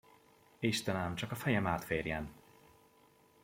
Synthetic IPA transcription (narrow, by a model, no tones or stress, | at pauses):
eʃt̪ɛnaːmt͡ʃɒkɒfɛjɛmaːt̪feːrjɛn